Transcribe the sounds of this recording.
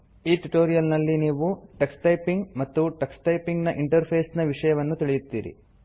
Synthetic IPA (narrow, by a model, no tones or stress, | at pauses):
iːʈuʈoːɾijɐlnɐlːiniːʋuʈeksʈɐjpiŋɡmɐt̪ːuʈeksʈɐjpiŋɡnɐʔiɳʈɐɾpʰeːsnɐʋiʂɐjɐʋɐnːut̪iɭijut̪ːḭːɾḭ